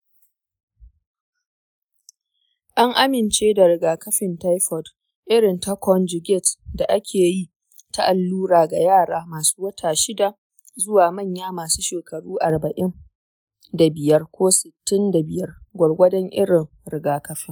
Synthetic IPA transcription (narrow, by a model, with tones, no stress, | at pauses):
ʔa˦ŋʔa˦mɪ˨nt͡ʃeː˦da˨ɾɪ˨ɡaː˨kɐ˦ɸɪ˨nta˦jɸɔ˨d | ʔɪ˦ɽɪ˨nta˦kʷɔ˦nd͡ʒɪ˨ɡʲɛ˦˨tda˨ʔa˦kʲʰeː˨ji˦ | ta˦ʔa˨lːuː˦ɽaː˨ɡa˨jaː˦˨ɽaː˦maː˨su̥ː˦wɐ˦tʰaː˨ʃɪ˦da˨ | zʊ˦waː˨mɐ˦˨ɲjaː˦maː˨suː˦ʃeː˨kɐ˨ɽuː˦ʔa˨rbɐ˨ʔɪ˦ŋ | da˨bɪ˨jɐ˦rkʷoː˦sɪ˨tːɪ˦nda˨bɪ˨jɐ˦rɡʷɐ˨ɽɡʷɐ˦dɛ˦ŋʔɪ̰˦ɽɪ˨ŋ | ɾɪ˨ɡaː˨kɐ˦ɸɪ˦ŋ